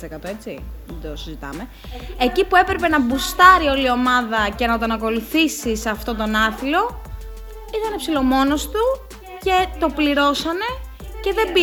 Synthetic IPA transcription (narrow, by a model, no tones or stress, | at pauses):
sekɐt̪oet͡sḭðed̪osizit̪ɐ̰me̞ | ecipue̞pɾe̞pe̞nɐbust̪ɐɾio̞lio̞mɐðɐce̞nɐt̪oɐnɐko̞luθisiseɐft̪o̞t̪o̞nɐθilo̞ | it̪ɐnepsilo̞mo̞no̞st̪u | ce̞t̪o̞pliɾo̞sɐne̞ | ce̞ðe̞bi